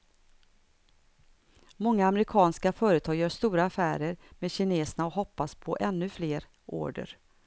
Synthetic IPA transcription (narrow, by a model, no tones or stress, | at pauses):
mɔŋːaːmɛɾɪkʰɑːnskafœːɾət̪ʰɑːɡjœːʂt̪uːɾaːfæːɾəɾmeːd̪ɕɪneːsənaɔɦɔpːaspʰɔʔɛnːɵfleːɾ | ʔo̰ːɖə̰ɾ